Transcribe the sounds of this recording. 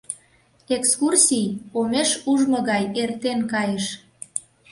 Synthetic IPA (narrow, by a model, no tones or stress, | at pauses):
ekskursʲijomeʃuʒmɤ̆ɣɑjert̪enkɑjəʃ